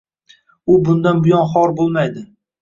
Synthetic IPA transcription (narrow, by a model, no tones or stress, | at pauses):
ʊbʊnd̪anbʊjɒnχɒɾbolˠmajd̪ɪ